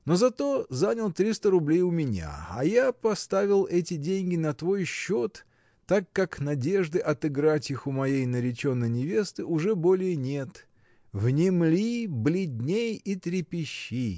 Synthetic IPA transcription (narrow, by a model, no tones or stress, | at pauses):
no̞zɐt̪o̞zanʲəlˠt̪ɾʲist̪əɾʊblʲejʊmʲɪnʲa̰ɐ̰japɐst̪avʲɪlˠɛtʲɪdʲenʲɡʲɪnɐt̪vo̞jɕːot̪ː | akːaknɐdʲe̞ʐd̪ɨʔɐt̪ɨɡɾatʲɪxʊmɐjejnəɾʲɪt͡ɕo̞nːəjnʲɪvʲe̞st̪ɨʔʊʐɛbo̞lʲɪjənʲe̞t̪ | vnʲɪmlʲiblʲɪdʲnʲejit̪ɾʲɪpʲɪɕːi